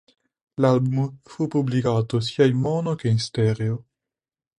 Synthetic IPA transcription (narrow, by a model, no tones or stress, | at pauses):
lalbumfupublikaːt̪os̬iːainmɔːnokeinst̪ɛɾeo